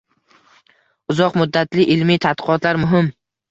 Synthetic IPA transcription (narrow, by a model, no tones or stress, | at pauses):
ʊzɒqmʊd̪ːat̪lɪʔɪlmit̪ʰat̪̚qʰɨɒt̪ʰlaɾmʊɦɪm